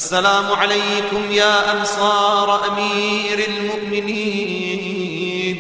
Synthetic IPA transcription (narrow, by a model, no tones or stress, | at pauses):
ʔasːalaːmʊʕalajkʊmjaːʔansˤɑːɾˤɑʔamiːɾalmʊʔmɪniː | n